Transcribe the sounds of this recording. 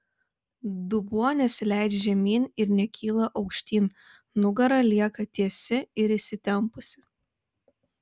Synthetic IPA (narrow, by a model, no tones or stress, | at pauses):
d̪ʊbuɔnʲɛsʲlʲæˑɪd̪ʲʒʲɛmʲiːnʲɪɾnʲɛkʲʰiːlˠɐʔɒʊkʃʲt̪ʲiːn | nʊɡɐɾɐlʲiɛkɐt̪ʲiɛsʲɪɪɾɪʃsʲɪt̪ʲɛmpʊsʲɪ̥